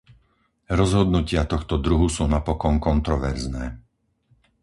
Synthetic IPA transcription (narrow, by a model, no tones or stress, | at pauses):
ɾɔzɦɔd̪nucɪat̪ɔxt̪ɔd̪ɾuɦusuːnapɔkɔnkɔnt̪ɾɔʋɛɾznɛː